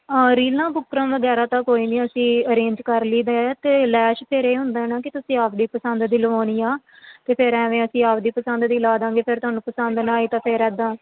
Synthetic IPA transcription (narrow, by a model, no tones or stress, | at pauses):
ɾiːlãːbʊkɾə̃ːʋəɡɛːɾaːt̪ãːkoːiːniːəsĩːəɾeːɲd͡ʒkəɾliːd̪aɛt̪eːlɛːʃpʰɪɾeːɦʊ̃nd̪aːɛːnãːkɪt̪ʊsĩːaːpʰd̪iːpəsənd̪d̪iːləʋaːniːaː | t̪eːpʰɪɾɛ̃ːʋẽːəsĩːaːpʰd̪iːpəsə̃nd̪d̪iːlaːd̪ãːŋɡeːpʰɪɾt̪ʊɦaːnũːpəsənd̪nãːiːt̪ãːpʰeɾɛːd̪ãː